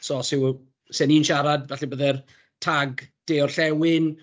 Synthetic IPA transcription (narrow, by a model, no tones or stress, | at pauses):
sɔsɪw | sɛniːnʃaɾadvɛɬibəðɛr | tʰaɡd̥eːɔrɬɛwɪn